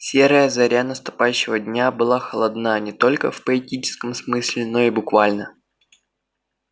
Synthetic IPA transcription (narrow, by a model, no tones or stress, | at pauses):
sʲeɾəjəzɐɾʲanəst̪ʊ̥pajɕːɪvədʲnʲabɨlˠaxəlˠɐd̪nanʲɪt̪o̞lʲkəfpəɪtʲit͡ɕɪ̥skəmsmɨsʲlʲɪno̞ibʊkvalʲnə